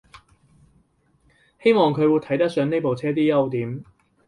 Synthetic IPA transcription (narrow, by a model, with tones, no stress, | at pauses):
he˥jmɔː˨ŋkʰɵ˨˧ɥwu˨˧t̪ʰɐ˨˥jt̪ɐ˥k̚sœː˨˧ŋne˥jpo˨wt͡sʰɛː˥t̪iː˥jɐ˥wt̪iː˨˥m